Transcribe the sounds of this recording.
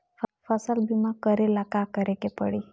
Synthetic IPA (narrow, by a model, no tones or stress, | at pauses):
ffəsəlbimãkəɾelakakəɾekepə̰ɽi